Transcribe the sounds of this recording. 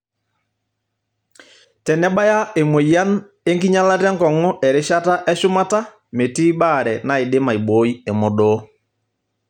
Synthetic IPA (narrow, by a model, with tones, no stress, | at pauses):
tɛ˨nɛ˦ɓa˦ja˦e˨mo˨ja˦n | e˦ŋɡi˦ɲa˦la˦tɛ˦ŋkɔ˨ŋɔ˦ʔɛ˨ɾe˦ʃa˦ta˦ʔɛ˦ʃʊ˦ma˦ta˦ | me˨ti˦ɓa˦˨ɾɛ˨na˨ɪ˨de˦ma˨i˨ɓo˨˦i˦e˨mɔ˨ɗɔ˨˦